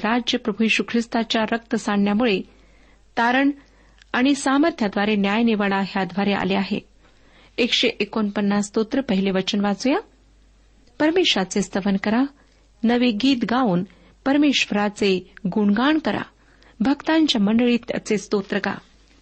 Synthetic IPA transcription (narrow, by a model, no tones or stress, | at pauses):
ɾad͡ʑjəpɾəbʱujeɕukʰɾist̪at͡ɕjaɾək̚t̪əsaɳjamuɭe | t̪aɾəɳ | aɽ̃isaməɾt̪ʰjad̪ʋaɾenjajneʋaɭaɦjad̪ʱʋaɾeʔa̰leaɦḛ | ekɕeʔekonpənːast̪ot̪ɾəpəɦileʋət͡ɕənʋad͡zuja | pəɾmeɕʋat͡sest̪əʋənkəɾa | nəʋeɡiːt̪ɡauːn | pəɾmeɕʋəɾat͡seɡuɳɡaɳkəɾa̰ | bʱəɡt̪aɲt͡ɕjaməɳɖəɭiːt̪ət͡sest̪ot̪ɾəɡa̰